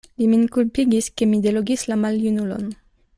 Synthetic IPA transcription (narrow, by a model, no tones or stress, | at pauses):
liminkulpiɡiskemid̪eloɡislamaljunulo̰n